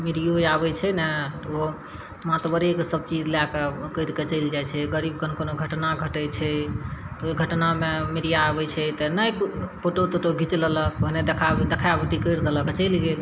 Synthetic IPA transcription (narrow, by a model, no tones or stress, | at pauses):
miɾijojabɛt͡ʃʰɛnɛt̪ɔo | mat̪bəɾekesəb̚t͡ʃid͡ʒlakekəjɾket͡ʃəɪld͡ʒajt͡ʃʰɛɡəɾibkənkonoɡʱəʈnaɡʱəʈət͡ʃʰɛt̪ɔɡʱəʈnamemiɾijaːbɛt͡ʃʰɛt̪ɔnəjkpʰoʈot̪oʈoɡʱit͡ʃlələkoɦned̪ekʰad̪ekʰabiʈ̪ikəɾd̪eləket͡ʃəɪlɡe